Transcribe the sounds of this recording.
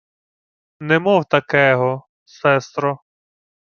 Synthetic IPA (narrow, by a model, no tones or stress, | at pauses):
nɛmɔwt̪ɐkɛɦɔ | sɛst̪ɾɔ